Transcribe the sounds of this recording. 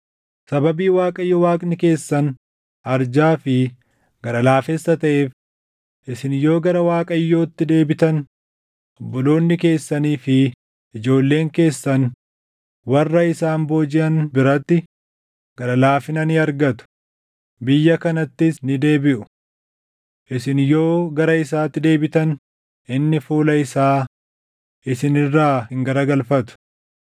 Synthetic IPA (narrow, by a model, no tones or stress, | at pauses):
sɐbɐbiːwaːkʼɐjːɔwaːkʼnɪke̞ːsːɐn | ʔɐɾd͡ʒaːfɪ | ɡ̥ɐɾɐlaːfɛsːɐt̪ɐʔe̞ːf | ʔɪsɪnjo̞ːɡɐɾɐwaːkʼɐjːo̞ːt̪ːɪd̪e̞ːbɪt̪ɐn | ɔbːɔlo̞ːnːɪke̞ːsːɐniːfɪ | ʔːd͡ʒo̞ːlːe̞ːŋke̞ːsːɐn | wɐrːɐɪsaːmbo̞ːd͡ʒɪʔɐnbɪɾɐt̪ːɪ | ɡ̥ɐɾɐlaːfɪnɐniɐɾɡɐt̪ʊ̥ | bɪjːɐkɐnɐt̪ːɪsnɪd̪e̞ːbɪʔʊ | ʔɪsɪnjo̞ːɡɐɾɐɪsaːt̪ːɪd̪e̞ːbɪt̪ɐn | ʔɪnːɪfuːlɐɪsaː | ʔɪsɪnɪrːaːhɪŋɡɐɾɐɡɐlfɐt̪ʊ̥